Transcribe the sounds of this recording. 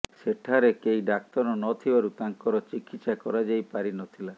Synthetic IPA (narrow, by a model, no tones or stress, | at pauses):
seʈʰaɾekejɖak̚t̪ɔɾɔnɔt̪ʰibaɾut̪aŋkɔɾɔt͡ʃikit̪sakɔɾad͡ʒajpaɾinɔtt̪ʰila